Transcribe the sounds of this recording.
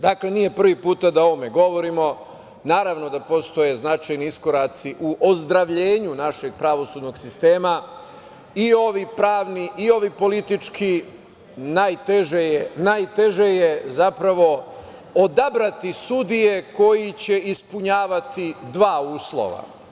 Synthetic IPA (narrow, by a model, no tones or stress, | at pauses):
d̪akle̞nije̞pr̩ʋipuːt̪ad̪ao̞ʋome̞ɡo̞ʋo̞ɾimo̞ | naːɾaʋno̞d̪apo̞st̪o̞je̞znat͡ʃajniisko̞ɾat̪siʔuʔozd̪ɾaʋʎeːɲunaʃe̞ɡ̚pɾaʋo̞suːd̪no̞ɡsist̪e̞ːma | io̞ʋipɾaːʋniʔio̞ʋipo̞lit̪it͡ʃkʰi | najt̪eʒejenajt̪e̞ʒejezapɾaʋo̞ | od̪abɾat̪isud̪ije̞ko̞jit͡ɕe̞ispuɲaːʋat̪id̪ʋaːuːslo̞̰ʋa̰